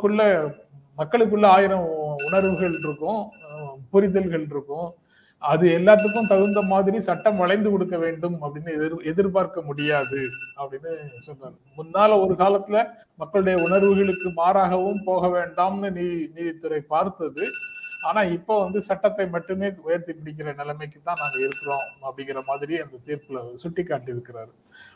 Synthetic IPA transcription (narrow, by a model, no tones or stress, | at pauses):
kːɯɭːɐ | mɐkːɐɭɯk̬ːɯɭːɐaːjɪɾɐ̃ʊɳɐɾʋɯɣɐɭɾɯkːʊ̃ | pʊɾɪðɐlɣɐɭɾɯkːʊ̃ | ɐðɯɛlːaːt̪̬ːɯk̬ːɯ̃mt̪ɐɣɯnd̪ɐmaːðɪɾisɐʈːɐmʋɐɭɐɪnd̪ɯkɔɽɯkːɐʋeːɳɖɯmɐpːɐɽɪnːɯɾɛðɪɾpaːɾkɐmʊɽɪjaːðɯɐpːɐɽɪnːɯsɔnːaɾ | mʊnːaːlɐɔɾɯkaːlɐt̪ːɪlɐ | mɐkːɐɭɯɽɐjɐʊɳɐɾʋɯɣɐɭɯkːɯmaːɾaːɣɐʋɯmpoːɣɐʋeːɳɖaːmnɯniːniːðɪt̪ːɯɾɐɪpaːɾt̪ɐðɯaːnaːɪpːoːʋɐnd̪ɯsɐʈːɐt̪ːɐɪmɐʈːɯmeːʊjɐɾt̪ipɪɽɪk̬ːɪɾɐnɪlɐmɐɪkːɯt̪ːãːnaːŋɡɐɪɾɯkːɯɾõːɐpːɐɽɪŋɡɪɾɐmaːðɪɾiɐnd̪ɐt̪iːɾpɯlɐsʊʈːɪkːaːʈːɪɾɯkːɪɾaːɾ